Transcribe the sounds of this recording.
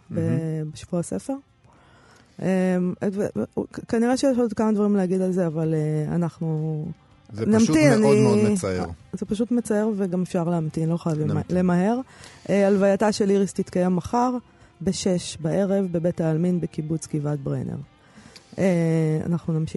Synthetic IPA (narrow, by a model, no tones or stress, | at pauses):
bebeʃavuasefe̞ʁ | ʔemvḛkaniʁeʃejeʃod̪kamad̪vaʁimleaɡid̪alze̞avalea̰naχnu | znamt̪inani | zepaʃ̬ut̪met͡saeʁveɡamefʃaʁleamt̪inloχajavele̞maɦe̞ʁʔealvajataʃeliʁist̪it̪kajemːaχaʁ | be̞ʃe̞ʃbaʔe̞ʁe̞vbe̞betaːlminbekibut͡skivat̪̚bʁḛnḛʁ | ea̰naχnunamʃi